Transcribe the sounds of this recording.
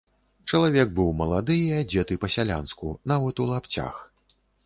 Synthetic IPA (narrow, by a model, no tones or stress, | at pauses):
t͡ʂɐlˠavʲɛɡ̚bɨwmɐlˠad̪ɨad͡zʲɛt̪ɨpɐsʲalʲa̰nskṵnavɐt̪ulˠapt͡sʲa̰x